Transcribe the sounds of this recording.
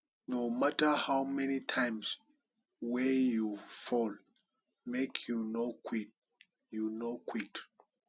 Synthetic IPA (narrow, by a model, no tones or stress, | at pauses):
nomatəhawmɛnitʰãɪms | wɛjufɔl | mekʰjunokʰwit̚ | junokʰwik